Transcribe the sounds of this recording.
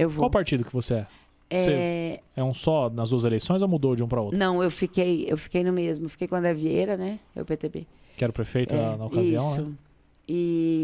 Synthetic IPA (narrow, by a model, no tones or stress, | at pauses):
ewwoawwpaɾt͡ʃid̪ʊkɪvoseɛ | ɛseɛũsɔnɐzd̪uɐzelejsõj̃zɛmud̪owd͡ʒɪũpɾɐowt̪nɐ̃w̃ewfikejḛwfi̥kejnʊmezmʊewfi̥kejkõɐd̪ɾɐviejɾɐnɛɛ̰ʊ̰pet̪ebḛ | kkɪɛɾʊpɾefejt̪ʊɐnɐokaiziɐ̃sw̃nʊ | ɪ